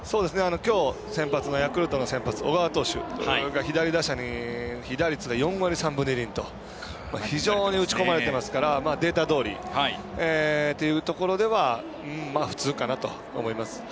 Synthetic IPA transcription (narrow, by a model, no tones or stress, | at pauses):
soːd̪e̞sɨne̞ano̞kʲo̞ː | sẽ̞mpat͡sɨno̞jakɯ̟ɾɯ̟t̪o̞no̞sẽ̞mpat͡sɨo̞̰ɡaβat̪o̞ːɕɯ̰ɡaçid̪aɾʲid̪aɕaɲ̟içid̪aɾʲit͡sɨɡajõ̞ɰ̃aɾʲisãmbɯ̟neɾʲĩnt̪o̞ | maçiʑo̞ːɲ̟iɯ̟t͡ɕi̥ko̞maɾe̞t̪e̞masɨ̥kaɾamaːd̪e̞ːt̪ad̪o̞ːɾʲḭhaet̪ːe̞jɯ̟ːt̪o̞ko̞ɾod̪e̞βa | ɯ̟̃ːaːɸɯ̟̥t͡sɨːkanat̪o̞̰ːmo̞imasɨ̥